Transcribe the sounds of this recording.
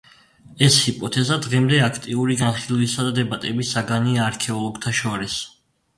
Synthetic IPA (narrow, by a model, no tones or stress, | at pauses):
ɛshipʼɔt̪ʰɛzad̪ʁɛmd̪ɛakʰt̪ʼiuɾiɡanχilˠvisad̪ad̪ɛbat̪ʼɛbisaɡaniaːɾkʰɛɔlˠɔɡt̪ʰaʃɔɾis